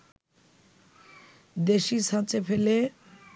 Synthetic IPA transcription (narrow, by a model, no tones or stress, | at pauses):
d̪eʃisãt͡ɕefele